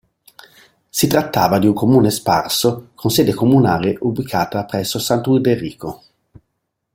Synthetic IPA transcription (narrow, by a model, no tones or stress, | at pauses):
sit̪ɾat̪ːaːvad̪iuŋkomuːnesparsokʰonsɛːd̪ekomunaːleʔubikʰaːt̪apɾɛsːosant̪uid̪erːḭːko